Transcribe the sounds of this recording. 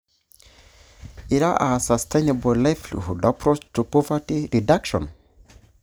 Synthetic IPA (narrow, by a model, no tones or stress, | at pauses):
iɾaʔasastenebɔlajflṵhudapɾɔt͡ʃtupɔvatiɾidakʃɔ̰̃n